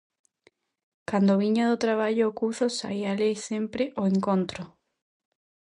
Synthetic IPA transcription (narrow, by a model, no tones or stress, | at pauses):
kand̪oβiɲaðʊt̪ɾaβ̞aʎoːkuθosa̰ialejsempɾɪʔoeŋkõnt̪ɾʊ